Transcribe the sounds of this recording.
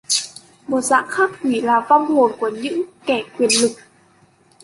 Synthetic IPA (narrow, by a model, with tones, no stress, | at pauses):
mo˨˩t̚za̰ː˧˥ŋxaː˦˥k̚kwi˧˩laː˨˩va˧wŋ͡mho˨˩nku˧˩əɲɨ̰˧˥ŋkɛ˧˩kwi˨˩ənlɨ˨˩k̚